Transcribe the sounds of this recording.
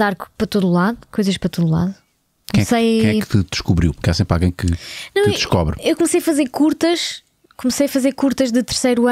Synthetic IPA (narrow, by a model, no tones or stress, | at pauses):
aɾkpɾɐt̪oðulˠaðukojzɐʃpɾɐt̪oðulˠa̰ðu | ɐ̃jɛsɐjɐ̃jɛkt̪ɨd̪ɨʃkuβɾiwpɾkasẽmpɾalˠɣɐ̃j̃kɨ̰nɐ̃w̃d̪ɨʃkɔβɾewkumsɐjɐfɐzeɾkuɾt̪ɐʃ | kumsɐjɐfɐzeɾkuɾt̪ɐʒðɨt̪ɨɾsɐjɾuɐ